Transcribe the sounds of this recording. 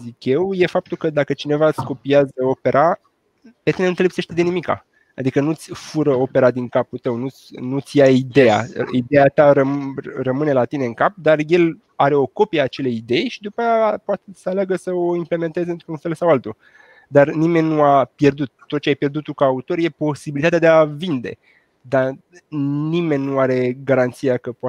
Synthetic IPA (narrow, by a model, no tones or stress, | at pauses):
zikʲje̞wje̞fap̚t̪ulkəd̪akət͡ʃine̞vat̪sko̞piazəo̞pe̞ɾʔa | pet̪inenut̪elepseʃt̪ʲed̪e̞nimika̰ | a̰d̪ikənut̪sʲfuɾəo̞pe̞ɾad̪iŋkaput̪əwnut̪sʲnut̪sʲjaid̪e̞a̰id̪e̞jat̪aɾərəmɨne̞lat̪ine̞ɨŋkap̚d̪arje̞l | aɾe̞o̞ko̞pieaːt͡ʃe̞le̞jid̪e̞jʃid̪upajapoat̪esəaleaɡəsəoimple̞me̞nt̪e̞zɨnt̪ɾuunfe̞lsawalt̪u | d̪arnime̞nʲnuapje̞rd̪ut̪̚ːo̞t̪̚t͡ʃeajpje̞rd̪ut̪ːukaːut̪o̞ɾje̞po̞sibilit̪at̪ead̪eavind̪e̞̰ | d̪a | nime̞nʲnuaɾe̞ɡaɾant̪sijakəpoa